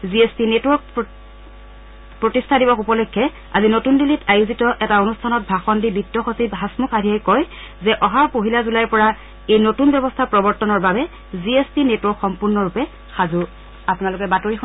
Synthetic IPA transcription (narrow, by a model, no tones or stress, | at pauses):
ziespinetwɔɹk̚ | pɹotistʰadibɔkupɔlɛkʰːɛ | a̰zinotundilitʰajuzitɔʔɛtaonustʰanɔt̚bʱaxɔndibitːɔxosibɦasmukʰadʱijajkɔj | zɛʔɔɦapoɦilazulajɹpɔɹa | ejnotunbɛbɔstʰapɹɔbɔɹtɔnɔɹbabɛ | ziespinetwɔɹkxɔmpuɹnɔɹupɛ | xazu | apʊnalʊkɛbatoɹix